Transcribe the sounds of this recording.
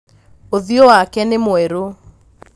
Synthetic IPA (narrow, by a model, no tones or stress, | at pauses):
oðiowakɛnemoɛɾo